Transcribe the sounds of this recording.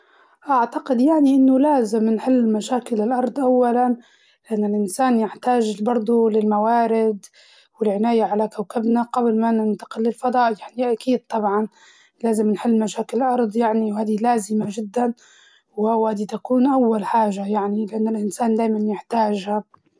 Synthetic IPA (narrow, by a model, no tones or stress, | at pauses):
ʔaʕt̪aqɪd̪jaʕniʔɪnːʊlaːzɪmnħɪlːmaʃaːkɪlɪlʔɑɾˤd̪ˤʔawːalan | lɪʔanːʊlʔɪnsaːnjɪħt̪aːʒbɑɾˤd̪ˤulɪlmawaːɾɪd̪ | wɪlʕɪnaːjaʕalakawkabnaɡablmanɪnt̪ḁqɪlːɪlfɑd̪ˤɑːʔjaʕniʔakiːd̪̚t̪ˤɑbʕɑn | laːzɪmnħɪlːmaʃaːkɪlɪlʔɑɾˤd̪ˤjaʕniwhaːd̪ilaːzɪmaʒɪd̪ːan | whawhaːd̪it̪akuːnʔawːalħaːʒajaʕnilɪʔanːalʔɪnsaːnd̪aːjmanjɪħt̪aːʒha